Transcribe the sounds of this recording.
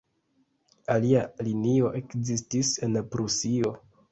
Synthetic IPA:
alialinio̞ʔe̞kzistise̞npɾusio̞

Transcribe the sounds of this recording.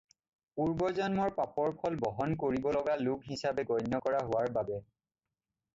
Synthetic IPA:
puɹbɔzɔnmɔɹpapɔɹpʰɔlbɔɦɔnkoɹibɔlɔɡalukɦisabɛɡɔjnːɔkɔɹaɦʊwaɹbabɛ

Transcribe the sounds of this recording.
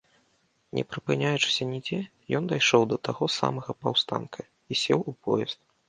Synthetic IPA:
nʲɛ̰pɾɨpɨnʲajut͡ʂɨ̥sʲɐnʲid͡zʲɛ | jɔnd̪ajʂɔwd̪ɐt̪aɣɔsa̰mɐɣɐpawst̪a̰nkʰɐ | isʲɛwupʰɔjɛst̪̚

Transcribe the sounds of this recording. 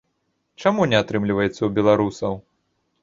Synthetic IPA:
t͡ʂamunʲɛat̪ɾɨmlʲivɐjɛt̪sːɐwbʲɛlˠaɾusɐw

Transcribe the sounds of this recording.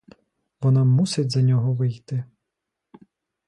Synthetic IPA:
ʋɔnɑmusɪdʲzɐnʲɔɦɔʋɪjt̪ɪ

